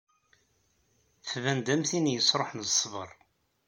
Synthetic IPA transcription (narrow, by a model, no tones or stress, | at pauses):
θvænd̪æmθinjəsˤɾˤoħnsˤːvə̰ɾˤ